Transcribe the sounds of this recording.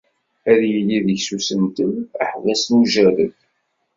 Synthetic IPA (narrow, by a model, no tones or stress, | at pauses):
æðjəlːiðəçsusənt̪ənə̰ħvæsnuʒæɾəθ